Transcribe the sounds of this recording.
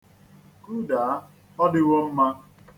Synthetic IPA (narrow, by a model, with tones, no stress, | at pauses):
ku˦da˨a˦ | ɔ˦dɪ˦wo˦m̩˦ma˦